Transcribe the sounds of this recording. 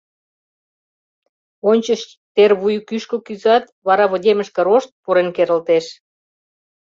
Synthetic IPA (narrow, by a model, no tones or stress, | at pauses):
onʲt͡ɕəʃ | t̪erβujkyʃkokyzɑt̪βɑɾɑβŏdʲeməʃkə̆ɾoʃt̪̚puɾenkeɾəlt̪eʃ